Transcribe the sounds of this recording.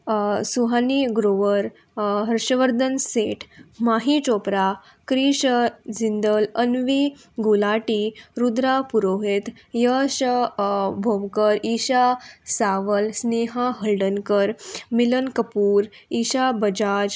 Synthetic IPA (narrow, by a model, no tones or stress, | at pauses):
suɦaniɡɾoʋəɾ | ɦəɾʂəʋəɾd̪ʱənseʈʰmaɦit͡ʃopɾa | kɾiɕd͡zind̪ələnʋi | ɡulaʈiɾud̪ɾapuɾoɦet̪ | jəɕ | bʱomkəɾiɕasaʋəlsneɦaɦəɭɖənkəɾmilənkəpuːɾ | iːɕabəd͡ʑad͡ʑ